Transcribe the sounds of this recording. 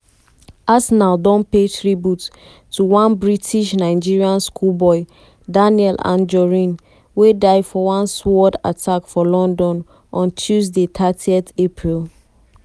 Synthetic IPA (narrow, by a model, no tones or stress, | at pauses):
asnaʊdɔ̃npetɹibjutːʰ | uwãnbɹitʰiʃnaɪd͡ʒiɹiãnskʰulbɔɪ | daniɛlʔã̰nd͡ʒɔɹĩn | wedaɪdfɔwãnswɔda̰tʰakfɔlɔ̃ndɔ̃n | ʔɔ̃ntʰjuzdet̪ʰatʰiɛθepʰɹilˠ